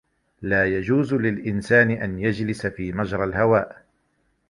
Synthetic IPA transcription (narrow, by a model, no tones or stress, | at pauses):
laːjad͡ʒuːzlɪlʔɪnsaːnɪʔanjad͡ʒlɪsafiːmad͡ʒɾˤɑlhawaːʔ